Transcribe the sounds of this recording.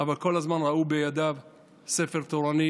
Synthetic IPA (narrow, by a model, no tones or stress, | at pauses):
avalko̞lazmanʁaubejad̪av | sefeʁt̪oʁani